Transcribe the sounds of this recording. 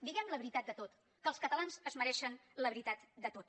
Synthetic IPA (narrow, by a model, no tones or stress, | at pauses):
d̪iɣɛmləβɾit̪at̪̚d̪ət̪ot̪ | kəːlˠskət̪əlanzəzməɾɛʃənləβɾit̪at̪d̪ət̪ot̪